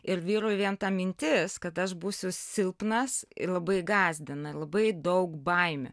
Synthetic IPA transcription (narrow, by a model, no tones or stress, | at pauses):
ɪɾʋʲiːɾʊʋʲiɛnt̪ɑːmʲɪnʲt̪ʲɪskɐt̪ɐʃbuːsʲʊsʲɪlˠpnɐsɪ̰lˠɐbɐɪɡɑːzʲd̪ʲɪnɐlˠɐbɐɪd̪ɐʊkbɐɪmʲʊ̰